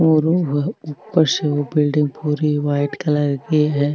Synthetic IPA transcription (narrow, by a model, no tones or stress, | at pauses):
oːɾouːpːəɾseobɪlɖɪ̃ŋɡ̚puːɾiʋaːɪʈkɐlɐɾɡeɦɛː